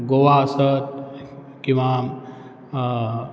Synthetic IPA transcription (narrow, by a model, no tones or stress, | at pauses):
ɡoʋaəsət̪̚ | kĩw̃ʋa